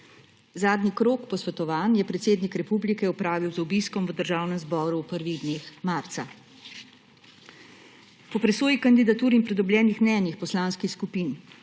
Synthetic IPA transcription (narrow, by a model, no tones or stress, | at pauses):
zaːd̪nikɾoːkpɔsʋɛt̪ɔʋaːnjɛpɾɛt̪seːd̪nikɾɛpublikɛɔpɾaːʋiwzubiskɔmʋəd̪əɾʒaːwnɛmzbɔːɾupəɾʋiɣd̪neːxmaːɾt̪sa | pɔpɾɛsoːjikand̪id̪at̪uːɾinmpɾɛd̪ɔbljɛːnixmnɛːnixpɔslaːnskixskupiːn